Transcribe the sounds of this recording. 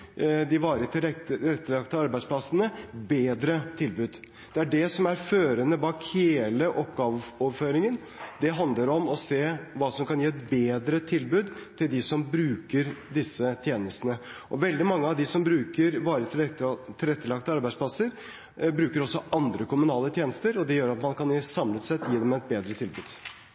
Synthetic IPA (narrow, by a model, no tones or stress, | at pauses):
d̪ɪʋɑːɾət̪ʰɪɛɾɛt̪ːəlɑkt̪əɑɾbæɪspʰlɑsənəbeːd̪ɾət̪ʰɪlbʉːd̪ | d̪̥ɛæɖɛsɔmæɾføːɾənəbɑːkheːləʔɔpːɡɑːʋɔʋføːɾɪŋən | d̪ɛɦɑnd̪ləɾɔmɔseːʋɑːsɔmkɑnjiːɛt̪beːd̪ɾət̪ʰɪlbʉːd̪t̪ʰɪld̪ɪsɔmbɾʉːkəɾd̪ɪsːət̪ʰjeːnəst̪ənə | ʔɔʋɛld̪ɪmɑŋːəɑʋd̪ɪsɔmbɾʉːkəɾʋɑːɾət̪ʰɪlɛt̪ʰɪlɛt̪ːəlɑkt̪əɑɾbæɪspʰlɑsəɾ | bɾʉːkəɾɔsːɔʔɑnd̪ɾəkʊmʉnɑːlət̪ʰjeːnəst̪əɾɔd̪ɛjøːɾɑt̪mɑnkʰɑnsɑmlət̪sɛt̪jiːd̪ɛmɛɛt̪̚beːd̪ɾət̪ʰɪlbʉ̰ːd̪̥